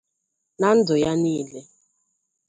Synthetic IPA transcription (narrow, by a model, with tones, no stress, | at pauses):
na˦n̩˦dʊ˨ja˦niː˦le˦